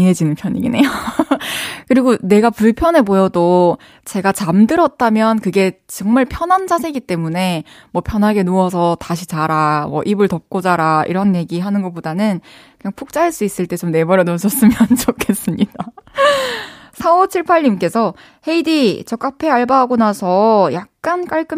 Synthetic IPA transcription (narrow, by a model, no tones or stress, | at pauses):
inɦe̞d͡ʑinɯnpʰjʌɲḭɡḭne̞jo | kɯɾiɡone̞ɡapuɭpʰjʌne̞pojʌdo | t͡ɕe̞ɡat͡ɕamdɯɾʌt̚t͈amjʌnkɯɡe̞t͡ɕʌŋmaɭpʰjʌnɦand͡ʑasʰe̞ɡit͈e̞mune̞mwʌpʰjʌnɦaɡe̞noʌsʰʌtaɕ̬ʰit͡ɕaɾamwʌ̰ʔibɯɭtʌp̚k͈od͡ʑaɾaḭɾʌnje̞ɡiɦanɯnɡʌp͈odanɯnkɯɲaŋpʰok̚t͡ɕ͈aɦaɭs͈uis͈ɯɭt͈e̞t͡ɕomne̞bʌɾjʌnoɕʰʌs͈ɯmjʌnt͡ɕʌkʰe̞s͈ɯmɲida | sʰaʌt͡ɕʰiɭpʰaʎːimk͈e̞sʰʌ | he̞idit͡ɕʌk͈apʰe̞aɭbaɦaɡonasʰʌjak̚k͈ank͈aɭk͈ɯ